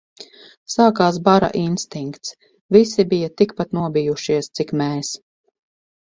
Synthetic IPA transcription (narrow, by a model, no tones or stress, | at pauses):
saːkaːs̬baɾa̰ʔinst̪iŋkt̪s | visibijat̪ikpat̪nuɔbijuʃiɛst̪sikmɛːs